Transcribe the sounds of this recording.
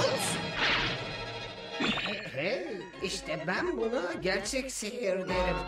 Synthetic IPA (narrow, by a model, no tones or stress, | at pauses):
sn | hɛhɛ | iʃt̪ʰɛbænbunaɟæɾt͡ʃʰɛcsiɦiɾd̪eɾim